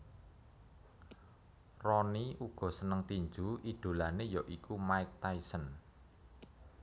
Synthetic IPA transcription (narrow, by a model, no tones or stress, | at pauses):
rɔniʔuɡ̥ɔ̤sənəŋt̪iɲd͡ʒuʔid̥o̤lanejɔʔikumaɪk̚t̪aisən